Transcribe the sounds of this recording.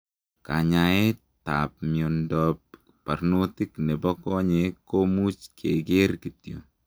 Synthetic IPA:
ka̰ɲae˦ | ta̰p̚mjondɔp̚ | pa˨ɾno˦tiknɛ˨bɔ˦kɔ˦ɲekomu˦t͡ʃkʰe˨ɡe˦rkitjo̰˨

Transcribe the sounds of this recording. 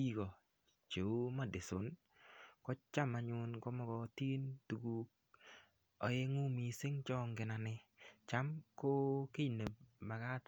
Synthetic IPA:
i˦kɔ˨ | t͡ʃe˨u˦ma˦dɪ˨sʊ˨˦n | kɔ˦t͡ʃa˦ma˨ɲʊ˨nkɔ˦mɔ˦kɔ˨ti˦ntu˨ɡu˦k̚ | ɔ˨˦je˦ŋu˦mi˨sɪ˦ŋt͡ʃɔ˦ŋɡɪ˨na˨nɪ˦t͡ʃa˦mko˦kɪ˦ne˨ma˨ka˦t

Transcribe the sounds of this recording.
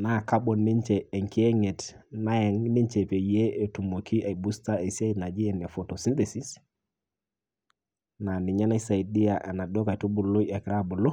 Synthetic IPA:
na˦˨ka˦ɓɔ˨ni˦ɲt͡ʃɛː˨ŋki˦ɛ˦ŋɛ˨tna˦ɛ˨ŋni˦ɲt͡ʃɛ˨pe˨jɛ˦e˨tu˨mo˨kʰi˦ʔa˨i˨bu˦sta˦e˨si˦a˦i˦na˨d͡ʒi˦ɛ˨nɛ˨fo˨to˨si˦nd̪e˨si˦s | na˨ni˨ɲa˦na˦i˦sa˨i˨di˦a˨ʔɛ˨na˨dɔ˦ka˨i˨tu˦bu˨lo˦i˦a˨kɾa˦bu˨lo˦

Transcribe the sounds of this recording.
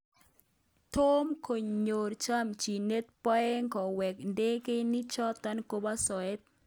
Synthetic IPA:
t̪o˦mko˨ɲɲo˨ɾt͡ʃa˦mt͡ʃi˨ne˦t̪̚pɔ˦ɛ˦ŋɡɔ˨wɛ˨knde˦ke˦ni˦t͡ʃɔ˦t̪a˦nko˦ba˦sɔ˨e˦t̪̚

